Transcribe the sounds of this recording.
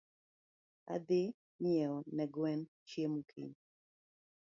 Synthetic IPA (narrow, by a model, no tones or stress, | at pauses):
a̰d̪e | mɪɛɔnɛɡwɛn | t͡ʃjemukʰḭɲ